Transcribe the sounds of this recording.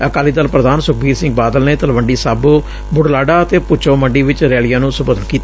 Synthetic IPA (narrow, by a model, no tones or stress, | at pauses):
əkaːliːd̪əlpɾəd̪aːnsʊkʰbiːɾsɪ̃ŋɡ̚baːd̪əlneːt̪əlʋəɳɖiːsaːboː | bʊɽlaːɖaːət̪eːpʊt͡ʃõːməɳɖiːʋɪt͡ʃɾɛːlijãːnũːsʊbəd̪ənkiːt̪ː